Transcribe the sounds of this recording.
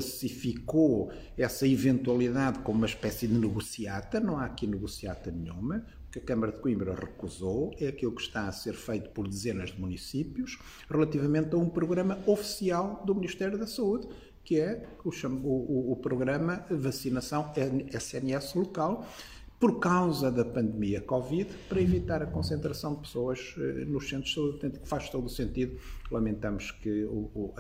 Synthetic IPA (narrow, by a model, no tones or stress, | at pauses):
ɐsifiko | ɛsɐivẽnt̪wɐlˠiðaðkomumɐʃpɛsiðɨnɨɣusiat̪ɐnɐ̃w̃aɐkinɨɣusiat̪ɐnɨɲumɐ | ukɐkɐmɐɾɐðɨkwĩmbɾɐʁɨkuzoɛɐkilˠukʃt̪aɐseɾfejt̪u̥pɔɾðɨzenɐʒðɨmunisipjuʃ | ʁɨlˠɐt̪ivɐmẽnt̪ɐũpɾuɣɾɐmɐofi̥sialˠd̪umniʃt̪ɛɾjuðɐsɐuð | kɨɛ | uʃɐmuuːpɾuɣɾɐmɐvɐsinɐsɐ̃w̃ɛsɛnɛslˠukalˠ | pɔɾkawzɐðɐpɐ̃nd̪miɐkɔviðpɐɾɐivit̪aɾɐkõsẽnt̪ɾɐsɐ̃w̃d̪ɨpɨ̥soɐʒ̥ɛ̰nuʃsẽnt̪ɾusɐuðt̪ɛ̃nt̪ikfaʃt̪oðusẽnt̪iðulˠɐmẽnt̪ɐmʊʃkɨu